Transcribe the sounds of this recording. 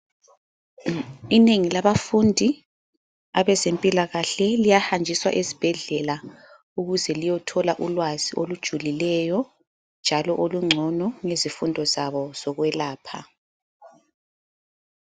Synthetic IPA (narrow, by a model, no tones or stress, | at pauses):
ineŋilaβafundʱi | aβɛzempʼilaɣaɬɛlijahand͡ʒʱiswa̰ʔezib̥ʱɛɮɛla | uɣuzɛlijɔtʰɔlaʔulwaziʔolud̥ʒ̥ʱulilɛjɔ | nd͡ʒʱalɔʔoluŋ͡ǀʱɔnɔŋezifundʱɔzaβɔz̥ɔɣwɛlaːpʰa